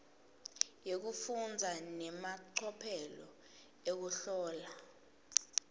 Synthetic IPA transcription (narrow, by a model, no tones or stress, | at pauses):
jek̬ufund͡zʱanɛmaǃʰɔpʰɛlɔ̰ | ek̬uɬɔːla